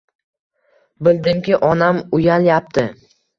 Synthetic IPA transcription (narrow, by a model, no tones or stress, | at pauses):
bɪld̪ɪmkʲɪʔɒnamʊjaljap̚t̪ʰɪ